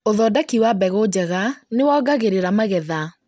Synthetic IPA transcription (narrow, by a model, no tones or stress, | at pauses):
oðɔːdakiwabɛɣod͡ʑɛɣanewɔːɡaɣeɾeɾamaɣɛða